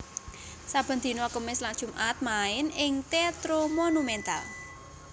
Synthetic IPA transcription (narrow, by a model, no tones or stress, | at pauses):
sab̥ə̤nd̪̥i̤noakəmɪslad̥ʒ̥ṳmʔat̪̚maɪnɪŋt̪et̪ɾomonumɛnt̪a̰l